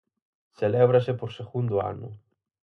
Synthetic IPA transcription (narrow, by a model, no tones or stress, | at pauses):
seleβɾasepoɾseɣund̪ʊa̰nʊ̰